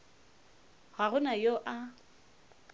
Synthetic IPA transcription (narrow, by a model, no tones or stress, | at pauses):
ɣaɣʊnajoʔa